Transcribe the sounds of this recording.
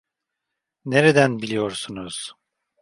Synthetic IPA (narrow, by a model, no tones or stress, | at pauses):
neɾed̪ænbilʲijo̞ɾsunuz̥